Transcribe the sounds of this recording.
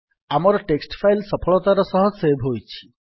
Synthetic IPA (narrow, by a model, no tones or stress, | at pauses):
amɔɾɔʈeksʈpʰajlsɔpʰɔɭɔt̪aɾɔsɔɦɔsebʱɦojt͡ʃʰi̥